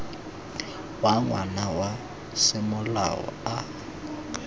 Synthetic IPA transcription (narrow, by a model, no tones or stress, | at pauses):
waŋwanawa | sɪmʊla̰ɔ̰a